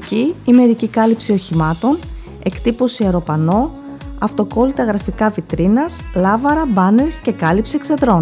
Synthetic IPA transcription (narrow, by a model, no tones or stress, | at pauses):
ciime̞ɾicikɐlipsio̞çimɐt̪o̞n | e̞kt̪ipo̞siɐɾo̞pɐno̞ | ɐft̪o̞ko̞lit̪ɐɣɾɐfikɐvit̪ɾinɐslɐvɐɾɐbɐne̞ɾsce̞kɐlipsiekse̞ðɾo̞n